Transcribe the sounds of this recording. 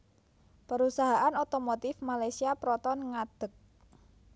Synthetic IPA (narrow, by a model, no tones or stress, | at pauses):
pəɾusaɦaʔanot̪omot̪ɪfmalajsiapɾɔt̪ɔnŋad̪̥ə̤k̚